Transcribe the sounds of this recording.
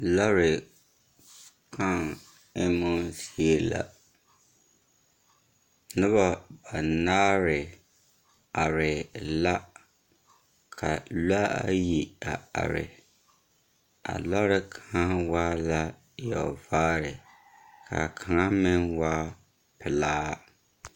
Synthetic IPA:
lɔ˦ɾɪ˨ | kʰa˦˨ŋ | ɪ˦mʊ˦zi˦e˦la̰˨ | nɨ˦βa˦ba˨naː˦ɾɪ˨ | a˨ɾɪ˨la˦ | kʰa˨la˦a̰˦ji˨a˨a̰˨ɾɪ̰˨ | a̰˨la˦ɾɪ˦kʰa˨ŋa˦waː˦la˦ | jɔ̰˨vaː˦ɾɪ˨ | kʰa̰˨kʰa˨ŋa˦mɪ˦nwa˦ | pɪ˨laː˦

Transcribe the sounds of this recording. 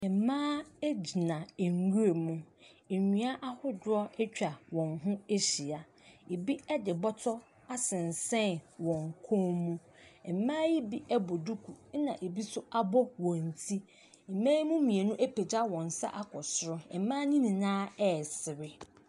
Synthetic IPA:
ɛ˨mãː˦e˦d͡ʑi˨nã˨e˨ŋ˨wu˦ɾe˨mũ˦e˨ɲᶣĩ˦a˦ʔa˦hʊ˦dʊ˦ɔ˦ɛ˦t͡ɕᶣa˨wɔ̃˨ŋɦʊ̃˦e˦ɕi˨a˨ | e˨bi˦ɛ˦dɪ˨bɔ˦tʰɔ˦ | a˦sɪ̃˨n˨sɛ̃˦nwɔ̃˨ŋ˨kʰõ˦mũ˦ | ɛ˨mãː˦ji˦bi˦ʔɛ˦bɔ˨du˦kʰu˨˦nã̰˨ʔe˨bi˦sʊ˦a˦bɔ˦wɔ̃˨n̩˨tʰi˦ | ɛ˨mãː˦ji˦mũ˦mĩ˨e˨nũ˦ʔe˦pe˨d͡ʑa˦wɔ̃˨n˨sa̰˦ʔa˦kʰɔ˨sʊ˦ɾʊ˦ɛ˨˦mãː˦nĩ˦nĩ˨nãː˦ɛ˦˨sɪ˨ɾɪ˦

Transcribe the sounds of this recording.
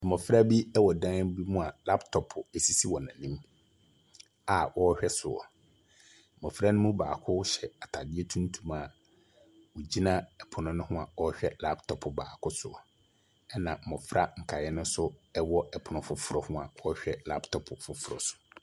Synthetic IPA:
mɔ˨fɾa˦bi˦ɛ˦wɔ˨dã˦n˦bi˦mũ˦a˨la˦ptʰɔ˨pʰʊ˨e˨si˦si˦wɔ˨nã˨nĩ˦m | a˨wʔɔ˦ɕᶣɛ˦sʊ˨ɔ̰˨ | m̩˨mɔ̃˨fɾa˦nʊ̃˦mũ˦baː˨kʰʊ˦ɕɛ˨a˨tʰa˨dɪ˦ɛ˦tʰũ˦n˦tʰũ˨ma˨ | wɔ˨d͡ʑi˦nã˦ɛ˨pʰʊ˨nʊ̃˦nʊ̃˦hʊ̃˦a˨ɔ˦ɕᶣɛ˦la˦ptʰɔ˨pʰʊ˨ba̰ː˨kʰʊ˦sʊ̰˨ɔ̰˨ | ɛ˦nã˨m̩˨mɔ̃˨fɾa˦ŋ̩˨kʰa˨jɛ˦nʊ̃˦sʊ˦ɛ˦wɔ˦ɛ˨pʰʊ˨nʊ̃˦fʊ˨fʊ˨ɾɔ˨hʊ̃˦a̰˨wɔ˦ɕᶣɛ˦la̰˦ptʰɔ˨pʰʊ˨fʊ˨fʊ˦ɾɔ̰˨sʊ̥˨

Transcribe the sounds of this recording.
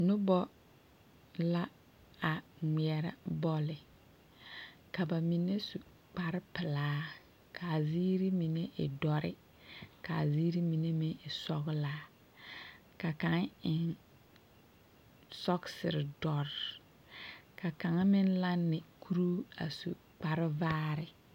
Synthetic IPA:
nʊ˦bɔ˦ | la˦ | a˨ŋʷi˨ɛ˨ɾa̰˦bɔ˦lɪ˨ | ka˨ba˨mi˨ne˦su˨ | k͡pa˨ɾɪ˦pɪ˨laː˨˦ | kʰa˨ziː˦ɾi˦mi˨ne˦ʔɪ̰˨dɔ˨ɾɪ̰˦ | ka˨ziː˦ɾi˦mi˨ne˦mɪ˦ŋɪ˨sɔ˦ɣlaː˦ | ka˨ka˨ŋ˦ɪ˨n | sɔ˦ksɪ̰˨ɾɪ˨dɔ˨ɾ | ka˨ka˨ŋ˦mɪ˦n˦la˦nːɪ˨kʰu˦ɾu˦a̰˨sṵ˨ | k͡pa˨ɾɪ˦vaː˦ɾɪ˦

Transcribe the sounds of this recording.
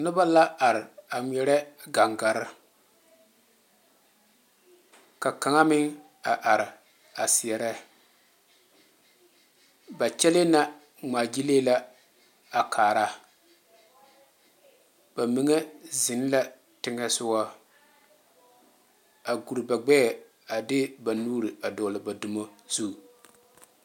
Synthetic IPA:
nʊ˦ba˦la˦ʔa˨ɾɪ˨a˨ŋʷɛ˨ɾɛ˦ɡa˨ŋɡa˨ɾɪ˦ | ka˨ka˨ŋa˦mɪ˦ŋ | a˨ʔa˨ɾɪ˨ | a˨sɪ˨ɛ˨ɾɛ˦ | ba˨t͡ʃɛ˦le˦na˦ | ŋ͡maː˨d͡ʒi˦leː˦la˦ | a˨kʰaː˨ɾa˦ | b̥a˨mi˨ŋɛ˦zɪ˨n˦la˦ | tɪ˦ŋɛ˦sʊ˦wa˦ | a˨ɡu˨ɾɨ˨ba˨ɡ͡bɛ˦˨ | a˨dɪ˦ba˨nuː˦ɾi˨a˨dɔ˨lɪ˨ba˨dʊ˨mo˦z̥u˦˨

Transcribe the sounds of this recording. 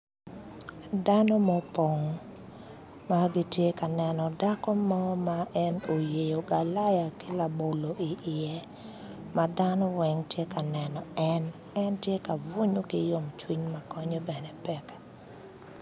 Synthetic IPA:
da˦nɔ˦mɔ˦po˨ŋ | maɡi˦tje˦ka˨nɛ˨nɔ˨da˦kɔ˦mɔ˦maʔɛ˦no˨je˨jo˨ɡa˨la˦ja˨ki˦la˨bo˨lo˨i˨ʔɪɛ˦ | mad̪anɔ˦wɛ˦ŋtje˦ka˨nɛ˨nɔ˨ɛn | ɛ˦ntje˦ka˨vo˦ɲo˦kɪ˦jo˨mt͡ʃwi˦ɲma˨kɔ˦ɲɔ˦bɛ˨nɛ˨pɛ˦kḁ

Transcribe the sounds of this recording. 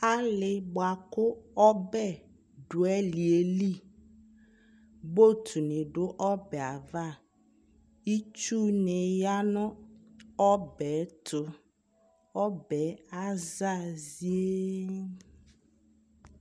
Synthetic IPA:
a˦lɪ˨bo˨a˨kʊ˦ɔ˦bɛ˦˨ | ɖʊ˨ɛ˦li˨e˨li˦˨ | bo˦t̪ʰu˨nɪ̃˨ɖʊ˦ʔɔ˦bɛ˨a˨va˦˨ | i˦t͡ʃu˦ne˨ja˦nɔ̃˦ | ɔ˦bɛ˨˦t̪ʰʊ˦ | ɔ˦bɛ˨˦a˦za˦˨zi˦e˦

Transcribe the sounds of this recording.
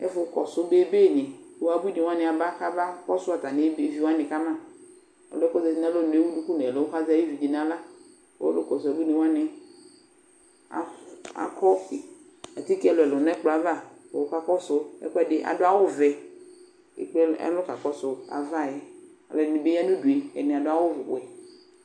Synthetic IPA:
ɛ̰˦fʊ˦kɔ˨sʊ˦be˦be˦˨ne˨wa˨bu˦i˦ni˨wa˦nɪ˨a˨ba˦ka˦ba˦kɔ˦sʊ˦a˨ta˨ne˨˦be˦vi˦wa˦nɪ˨ka˦mã˦˨ | a̰˨lʊ˦ɛ˦kɔ˦zɛ˨si˦n˦a˦lo˦˨n˨e˦wu˦du˦ku˦nɛ˨lo˨˦ɦa˦za˦ji˦vi˨d͡ʒi˨n˨a˨la̰˦ | ɛ̰˦lʊ˦kɔ˨sʊ˨a˨bu˦ne˨wa˦nɛ˨ | a̰˨a̰˨kɔ˦ɪ˨ | a˨ti˦kɛ˨lʊ˨ɛ˨lʊ˨nɛ˦k͡pa˨va˦˨ɔ˨wo˦ka˦kɔ˦sʊ˦ɛ̰˦kɔ˦ɛ˦dɪ˦ʔa̰˨dʊ˦a˦wʊ˦vɛ˨ | ḛ˨k͡pɛ˦ɛ̰˦lʊ˦ka˨kɔ˦sʊ˨a̰˨va˦˨jɛ˦ | a̰˨lɛ˨nɪ˨be˦a˦nʊ̃˦du˨e˨ɛ̰˨nɪ˨a˨dʊ˦a˦wʊ˦v̰ɛ˨

